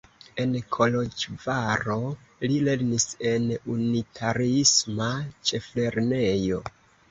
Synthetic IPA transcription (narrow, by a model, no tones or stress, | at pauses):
e̞nkʰo̞lo̞d͡ʒvaɾo̞ | lile̞ɾnise̞nunitʰaɾiismat͡ʃe̞fle̞ɾne̞jo̞